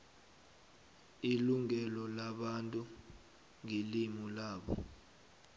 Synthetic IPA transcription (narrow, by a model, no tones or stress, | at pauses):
iluŋɛlɔlaɓantʼu | ŋilimulaːɓɔ̰